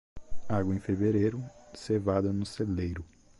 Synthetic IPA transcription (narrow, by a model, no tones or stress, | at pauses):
aɡwɐẽj̃feveɾejɾʊsevad̪ɐnʊselejɾʊ